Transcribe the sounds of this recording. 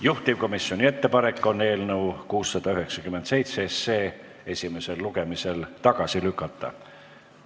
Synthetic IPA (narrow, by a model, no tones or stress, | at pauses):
juht̪ivko̞misːjo̞nʲie̞t̪ːe̞pɑne̞kːˑo̞nːe̞ːlnəukuːsːɑd̪̥ɑyɦeksɑkyment̪se̞jt̪sesːe̞ː | e̞sʲime̞se̞lːuɡe̞mise̞lt̪ɑɡ̥ɑsilykːˑɑt̪ːɑ̰